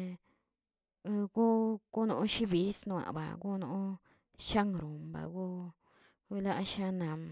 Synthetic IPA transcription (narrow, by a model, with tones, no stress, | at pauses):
ɡu˦ku˦nũ˧ũ˦ʃi˦βi˨˦snũ˧ã̰˨βa̰˨ku˦˧nũ˧˦ | ʃa˦ŋɾu˨mba̰˨ɡu˦ | βi˧la˦ʔʃã˦nã˨